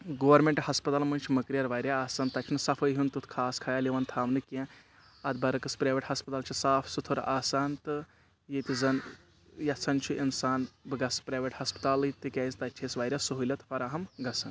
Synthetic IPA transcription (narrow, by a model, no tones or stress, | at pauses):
ɡoːɐɾmʲeɳʈhɐspɐt̪aːlmunʲt͡ʃʰimɐkɾijɐɾʋaːɾʲjaaːsaːnt̪ɐt͡ʃʲʰinɨsɐfʰəjɦunt̪ut̪ʰkʰaːskʰaːjaːliʋɐnt̪ʰaːmnɨkẽ | ɐd̪bɐɾɨkɨspɾaːʋeʈhɐspɨt̪aːlt͡ʃʰisaːfʰsut̪ʰuɾaːsaːnt̪ɨ | jeːt̪izɐn | jɐt̪sʰɐnt͡ʃʰuʔinsaːnbɨɡɐspɾaːjʋeʈhɐspɨ̥t̪aːlɨt̪ɨkʲaːizt̪ɐtʲʰeːsʋaːɾʲjasuɦulʲɐt̪fɐɾaːɦɐmɡɐsɐn